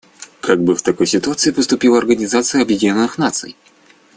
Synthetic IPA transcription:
kʰaɡ̚bɨft̪akɔjsʲit̪uat̪sɨjipɔst̪upʲiwˠɐɐrɡɐnʲizat̪sɨjɐɐbʲjedʲinʲɔnɨxnat̪sɨ̰j

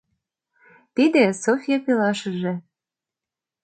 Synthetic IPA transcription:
t̪id̪ĕsofʲijɑpilɑʃə̆ʒĕ

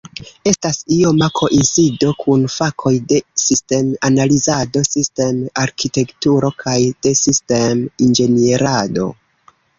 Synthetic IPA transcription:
e̞stasio̞makʰo̞ʔinsido̞kʰunfakʰo̞jde̞siste̞manalizado̞siste̞maɾkʰite̞ktuɾo̞kʰajd̥e̞siste̞mind͡ʒe̞nieɾado̞̰

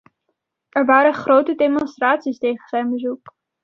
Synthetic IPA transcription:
ʔɛɹʋaːɾənχrowtədemɔnstraːtsistejχənzɛjnbəzuk

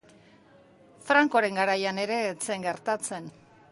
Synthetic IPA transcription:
fɾaŋkoɾe̞ŋɡaɾajane̞ɾe̞t͡seŋɡe̞ɾt̪at͡se̞n

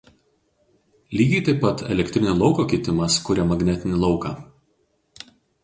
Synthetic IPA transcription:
lʲiːɡʲɛɪt̪ɐɪpːɐt̪ɛ̰lʲɛkʲt̪ʲɾʲɪnʲolˠɒʊkoːkʲɛt̪ʲɪmɐskʊɾʲɛmɐɡnʲɛt̪ʲɪnʲɪlˠɒʊkɑː

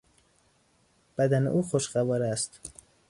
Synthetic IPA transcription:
b̥æd̪ænḛʔuːxoʃɢævɒːɾæst̪

